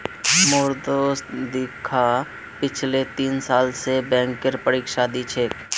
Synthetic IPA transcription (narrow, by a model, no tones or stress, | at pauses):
moːɾd̪oːst̪d̪ikʰa | pɪt͡ʃʰlet̪iːnsaːlsebɛ̃ːŋkəɾpəɾiːkʃaːd̪it͡ʃʰeːk